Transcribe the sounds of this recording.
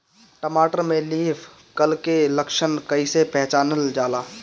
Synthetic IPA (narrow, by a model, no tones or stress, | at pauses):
ʈəmaːʈəɾmẽliːpʰ | kəlkeləkʃənkəisepɛ̃ɦt͡ʃaːnəld͡ʒaːlaː